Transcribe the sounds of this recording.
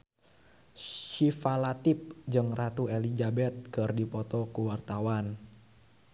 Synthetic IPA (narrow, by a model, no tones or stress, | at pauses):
ʃifalat̪ip̚d͡ʒɨŋrat̪uelid͡ʒabɛt̪̚kɨrdipɔt̪ɔkuwart̪awan